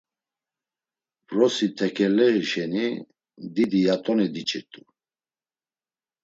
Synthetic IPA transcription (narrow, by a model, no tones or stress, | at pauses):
bɾɔsit̪ʰɛkʰʼɛlɛiʃɛni | d̪id̪ijat̪ʼɔnid̪it͡ʃʼɛt̪ʼu